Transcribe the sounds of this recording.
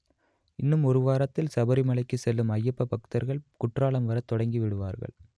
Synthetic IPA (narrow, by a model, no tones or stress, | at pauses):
ɪnːɯmɔɾɯʋaːɾɐt̪ːɪlsɐbɐɾimɐɭɐɪkːɯsɛlːɯmɐjːɐpːɐpɐkɯ̥t̪ɐɾɣɐɭkʊʈraːɭɐmʋɐɾɐt̪ːɔɽɐŋɡiʋɪɽɯʋa̰ːɾɣɐ̰ɭ